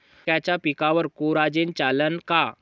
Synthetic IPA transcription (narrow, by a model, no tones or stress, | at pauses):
at͡ɕapikãʋəɾkoɾad͡ʑent͡ɕalənka